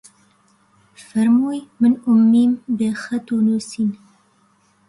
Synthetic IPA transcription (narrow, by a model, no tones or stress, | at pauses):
fɐɾmujmənʊmːiːmbexat̪onosin